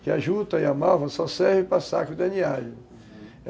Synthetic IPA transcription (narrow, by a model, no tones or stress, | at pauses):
kɪaʒut̪ɐiamawvɐsɔsɛɾvɪpɾasakʊd̪ɐniaʒʊ